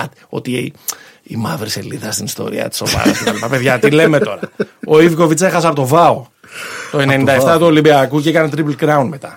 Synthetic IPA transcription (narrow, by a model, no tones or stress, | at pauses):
t̪io̞̰t̪ie | imɐvɾise̞̰liðɐst̪inist̪o̞̰ɾḭɐ̰t̪i̥so̞vɐ̰ɾɐ̰sceɐlipɐpe̞ðʝɐt̪ile̞me̞t̪o̞ɾɐoiviko̞vit͡sexɐs̬eɐpot̪o̞vɐo̞ | t̪o̞e̞ne̞nind̪ɐeft̪ɐt̪uo̞limbiɐkuceekɐnet̪ɾipl̩ɡɾɐunme̞t̪ɐ